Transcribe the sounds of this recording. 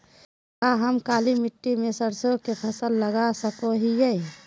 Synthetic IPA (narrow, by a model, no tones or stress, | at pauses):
kaɦəmkaːlimɪʈːimesəɾsokepʰəsəlːəɡasəkoɦije